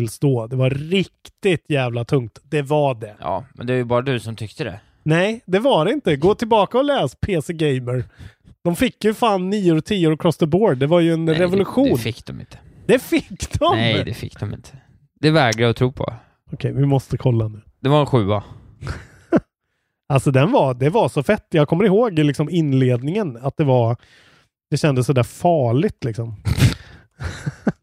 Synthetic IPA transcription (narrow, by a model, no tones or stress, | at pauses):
ɪlst̪oːd̪ɛvaɾɪk̚t̪ɪt̪jæːvlat̪ʰɵŋkt̪d̪̥ɛvaɖɛjɑ̰ːmɛ̰nd̪ɛvajɵbɑːɾad̪ʉsɔmt̪ʰʏkt̪əd̪ɛ̰ | nɛɪd̪ɛvaɖɛɪnt̪əɡoːt̪ʰɪlbɑːkaɔlɛːspʰeːsɛɡɛɪməɾ | d̪̥ɔmfɪkːjɵfaːnːiːoːɾt̪ʰiːʊːɾkʰɾɔst̪əboːɖd̪ɛvaɾjɵɛnɾɛvʊlɵɧuːnɪkːd̪ɔmɪ̰nt̪ʰə̥d̪ɛfɪkːd̪ɔmɛjd̪ɛfɪ̰kːd̪ɔmɪ̰nt̪ʰə̥ | d̪̥ɛvɛːɡɾaɔt̪ʰɾuːpʰɔ̰ | ɔkʰɛjvɪmɔst̪əkʰɔlːaɛnːʉ̟ːd̪̥ɛvaɛnɧʉ̟ːa | alsɔd̪ɛnvad̪ɛvasɔfɛt̪ːjɑːɡkʰɔmːəɾɪhoːɡlɪksɔmɪnːleːd̪nɪŋənat̪̚d̪ɛvaɾ | d̪̥ɛɕɛnd̪əsɔd̪æːɾfɑːɭɪɡt̪lɪksɔm